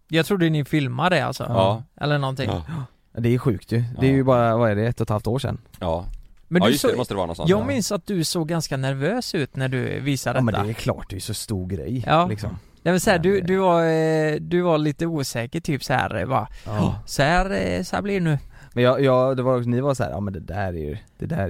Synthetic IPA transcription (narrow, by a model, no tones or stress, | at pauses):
jɑɡt̪ʰɾuːd̪ənɪfɪlmad̪əa̰lsɔ̰ʔɛ̰lːəɳɔnt̪ɪŋŋ | d̪ɛɧʉ̟ːkt̪ʰjɵd̪ɛæɾjɵbɑːɾavaɾɛɖɛɛt̪ːɔt̪ʰhalft̪oːʂɛ̰nːɑːmɛnd̪smɔst̪əd̪ɛɑːɾnɔ̰sɔ̰jɑːɡmɪnsat̪̚d̪ɵsoːɡːanskanæɾvøːsʉ̟ːt̪næɖɵ̰viːsad̪ɛmɛnːa̰ɛːɾkʰlɑ̰ːʈd̪ɛɛjʉsɔst̪uːɾɡɾɛ̰jːɑːlɪksɔ̰m | nɛmɛnsɔhæːɖɵd̪ɵva | d̪ɵvaɭiːt̪əuːsɛːkəʈʰyːpsɔhæ̰ːɾva̰sɔhæɾsæ̰blɪnʉː | mɛnjɑjɑːɡd̪ɛvaɾɔksɔnɪvasɔhæ̰ːɾʔɑ̰ːmɛnd̪ɛd̪æɾæ̰jʉ̰d̪̥ɛd̪æ̰